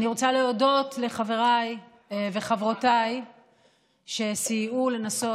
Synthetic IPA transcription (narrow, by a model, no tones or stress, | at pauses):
niʁo̞t͡saleodo̞tle̞χave̞ʁaj | eveχavʁotaj | ʃe̞sijule̞naso̞